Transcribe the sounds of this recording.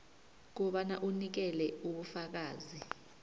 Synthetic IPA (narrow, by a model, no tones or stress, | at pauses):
k̬uɓanaʔunik̬ɛlɛuɓufak̬aːzi